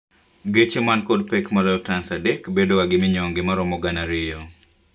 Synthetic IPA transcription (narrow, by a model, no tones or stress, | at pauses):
ɡet͡ʃemankɔd̚pɛkmalɔtansadɛkbedowaɡɪmɪɲɔŋɡɪmaɾɔmɔɡanaɾɪjɔ